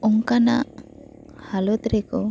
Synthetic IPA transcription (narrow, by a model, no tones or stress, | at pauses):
ɔŋkana | halot̪ɾiko